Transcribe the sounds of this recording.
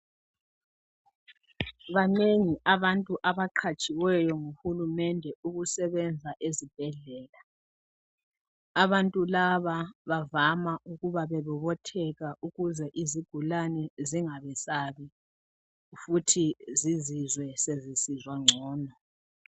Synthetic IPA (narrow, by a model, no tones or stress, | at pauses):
βaneŋiʔaβantʼuʔaβaǃʰat͡ʃʼiwɛjɔŋuxulumɛndʱɛuɣusɛβɛnd͡zʱaʔezib̥̚ʱɛɮɛːla | aβantʼulaβaβavamaʔuɣuβaβɛβuβɔtʰɛɣaʔuɣuzɛʔiziɡ̥ʱulanɛziŋaβɛsaβi | futʰizizizwɛsezisizwaŋ͡ǀʱɔːnɔ